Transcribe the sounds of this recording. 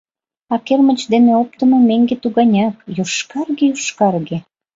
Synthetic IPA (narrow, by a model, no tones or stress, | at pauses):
ɑkermət͡ɕd̪eneop̚t̪əmomeŋɡet̪uɣɑnʲɑkjoʃkɑrɣejuʃkɑrɣe